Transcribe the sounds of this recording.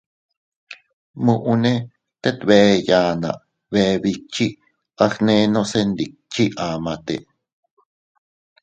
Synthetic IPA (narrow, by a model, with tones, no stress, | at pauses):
mũ˧ʔu˧nẽ˦ | t̪e˦t̪βe˨e˧jaː˧nã̰˨ʔ | βeβit͡ʃi˦ | a˦xnẽ˧˦nõ˦se˦nd̪i˨k̚t͡ʃi˦ʔaː˨mã˧t̪ḛ˨